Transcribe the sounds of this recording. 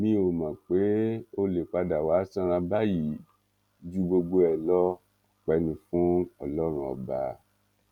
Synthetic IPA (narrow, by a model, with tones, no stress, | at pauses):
mĩ˦o˨mã˨k͡pe˨˦o˧le˨k͡pa˧da˨wa˨˦sã˦˧ɾ̃ã˧ba˦ji˨˦ | d͡ʒu˦ɡ͡bo˧ɡ͡bo˧ɛ˨lɔ˦˨ | k͡pɛ˧nĩ˧fũ˦ɔ˨lɔ˦ɾ̃ũ˦ɔ̰˨ba˧